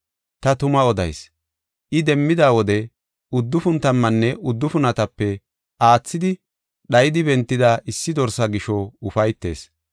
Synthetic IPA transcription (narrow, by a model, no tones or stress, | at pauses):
t̪ɐt̪ʊmɐɔd̪ɐ̰js | ʔɪd̪ɛmːɪd̪aːwɔd̪ɛ | ʊd̪ːʊfʊnt̪ɐmːɐnːɛʔʊd̪ːʊfʊnɐt̪ɐpːɛ | ʔaːt͡sːɪd̪ɪ | ɗɐjɪd̪ɪbɛnt̪ːɪd̪aʔɪsːɪd̪ɔɾsɐɡɪʃɔʊfɐjt̪ːe̞̰ːs